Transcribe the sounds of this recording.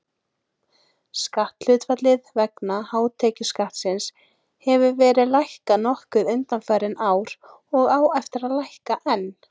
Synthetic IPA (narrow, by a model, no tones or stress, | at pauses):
skaht̪l̥ʏt̪vat̪lɪðvɛknahaːwt̪ʰɛːcʏskaht̪sɪns | hɛvʏvɛːɾɪðlajhkanɔhkʏðʏnt̪anfaːjɾɪnaːwɾ̥ | ɔɣaːwɛft̪ɪɾaðlajhkaʔɛnː